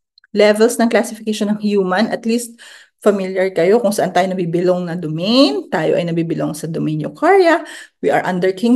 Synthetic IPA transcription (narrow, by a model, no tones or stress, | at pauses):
lɛvɛlsnɐŋklasɪfɪkeʃonɐŋjuːmɐnʔɐt̪list̪̚ | fɐmiljɐɹkɐjo̞kʊŋsɐʔant̪aːjonɐbiːbɪloŋnɐd̪oment̪aːjoʔɐ̰jnɐɡbiːbɪloŋsɐd̪ominjokʰaɹjɐwiʔɐɹʔɐ̃nd̪ɛɹkʰɪ̃ŋ